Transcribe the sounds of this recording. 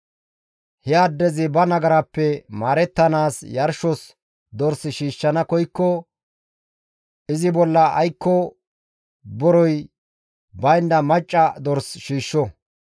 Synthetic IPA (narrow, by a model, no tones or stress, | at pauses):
hɛɐd̪ːɛzɪbɐnɐɡɐɾɐpːɛmaːɾɛt̪ːɐnaːsjɐɾʃɔs | d̪ɔɾsɪʃiːʃːɐnɐkɔjkːɔ | ʔɪzɪbɔlːɐɐ̰jkːɔ | bɔɾɔj | bɐjnːɐmɐt͡ʃʼːɐd̪ɔɾsʃiːʃːɔ